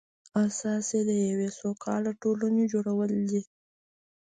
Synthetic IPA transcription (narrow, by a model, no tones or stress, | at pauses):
asɑsed̪əjawesokʰɑ̰laʈoluned͡ʒoɽawəld̪i